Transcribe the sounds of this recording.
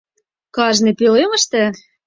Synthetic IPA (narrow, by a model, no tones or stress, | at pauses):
kɑʒnepølemə̆ʃt̪ĕ